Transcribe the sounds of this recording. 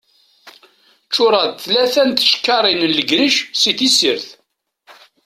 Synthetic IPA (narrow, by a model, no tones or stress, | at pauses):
t͡ʃːʊɾˤɑd̪θlæθænt̪ə̥ʃkːɑɾˤinənləɡɾiʃsiθisəɾθ